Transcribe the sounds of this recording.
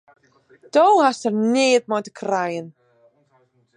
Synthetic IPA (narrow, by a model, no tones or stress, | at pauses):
d̥ɔwhasərneːdmɔjdəkʰrajn